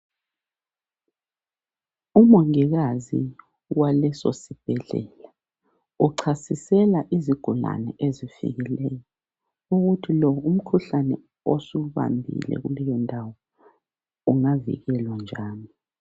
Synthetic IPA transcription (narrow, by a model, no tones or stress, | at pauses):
umoŋiɣazḭ | walɛsosib̥ʱɛɮɛ̰ːla | uǀʰasisɛlaʔiziɡ̥ʱula̰nɛʔezifḭɣilɛjɔ | uɣutʰilɔum̩kʰuɬanɛ | osuuβa̰mbʱḭlɛ̰ɣulɛjɔndʱawɔ | uŋavḭɣɛlwand͡ʒʱaːni